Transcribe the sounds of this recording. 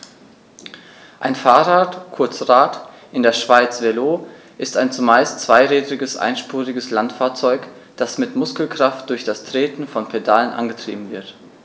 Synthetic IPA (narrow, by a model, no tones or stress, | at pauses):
ʔaɪnfaːɐʁaːtkʰʊɐt͡sʁaːt | ʔɪndeːɐʃv̥aɪt͡sv̥eloː | ʔɪstaɪnt͡sumaɪstt͡sv̥aɪʁɛːdʁɪɡəsʔa̰ɪnʃpuːʁɪɡəslantfaːɐt͡sɔʏk | d̥asmɪtmʊskl̩kʁ̥aft̚d̥ʊɐçd̥astʁ̥eːtn̩fɔnpʰedalənʔa̰nɡətʁ̥ḭːbm̩vɪɐt